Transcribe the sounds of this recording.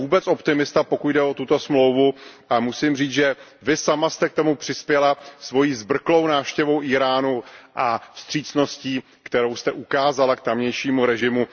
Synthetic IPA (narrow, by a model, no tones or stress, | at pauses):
uːbɛt͡so̞pt̪ɪmɪst̪apo̞kuɟdɛʔo̞t̪ut̪o̞smlo̞wvuʔamusɪmriːt͡sʒɛ | vɪsamast̪ɛk̚t̪o̞mupr̝̥ɪspjɛlasvo̞jiːzbr̩klo̞wnaːfʃcɛvo̞wʔiːɾaːnuʔafst̪r̝̥iːt͡sno̞sciː | kt̪ɛɾo̞wst̪ɛʔukaːzalakt̪amɲɛjʃiːmuɾɛʒɪmu